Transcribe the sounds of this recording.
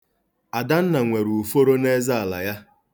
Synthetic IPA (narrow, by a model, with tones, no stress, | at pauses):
a˨da˦n̩˦na˨ŋʷe˨ɾu˨u˨fo˦ɾo˦ne˦za˦a˨la̰˨ja˦